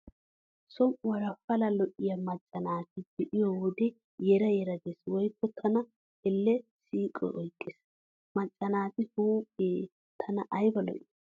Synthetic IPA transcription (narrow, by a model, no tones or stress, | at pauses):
sɔmʔʊwɐɾɐfɐlɐlɔʔɪjɐmɐt͡ʃʼːɐnaːt̪ɪb̥ɛʔɪjoːwɔd̪ɛ | jɛɾɐjɛɾɐd̪eswɔjkːɔt̪ʰɐnɐ | ɛlːɛsiːkʼɔ̰ʔɔjkʼːɪs | mɐt͡ʃʼːɐnaːt̪ɪhuːpʼːeː | t̪ʰɐnɐʔɐjbɐlɔ̰ʔɪ